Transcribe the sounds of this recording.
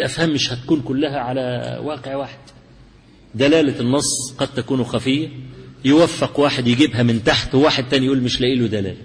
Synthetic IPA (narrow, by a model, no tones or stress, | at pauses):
ʔæfhæmːɪʃhæt̪æ̥kuːnkʊlːæɦæʕalæwɑːqeʕwaħed̪̥ | d̪ælæːlænːɑsˤːqɑd̪̚t̪ækuːnuxæfɪjːæjɪwæfːɪqwaːħed̪jɪɡibɦæmɪnt̪aħt̪waːħed̪̚t̪æːnijʔuːlmɪʃlæʔiːlud̪ælæ̰ːlæ